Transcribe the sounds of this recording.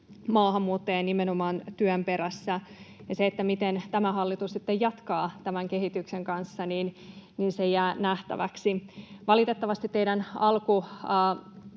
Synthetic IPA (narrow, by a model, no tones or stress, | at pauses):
mɑːhɑmːuːt̪ːeɑnːimenomɑːnt̪yømpe̞ɾæsːæjɑseːt̪ːæmit̪ent̪æmæhɑlːit̪ussit̪ːejjɑt̪kɑːt̪æmæŋkeɦit̪ykseŋkɑnsːɑniːnninsejæːnæht̪æ̰ʋæ̰ksiʋɑlit̪et̪ːɑʋɑst̪it̪t̪ːeiɾænɑlkuː